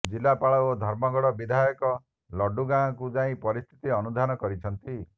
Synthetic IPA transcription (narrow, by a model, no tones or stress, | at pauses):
d͡ʒilːapaɭɔod̪ʱɔɾmɔɡɔɽɔbid̪ʱajɔkɔ | lɔɖuɡãkud͡ʒaĩpɔɾist̪ʰit̪iɔnud̪ʱanɔkɔɾit͡ʃʰɔnt̪i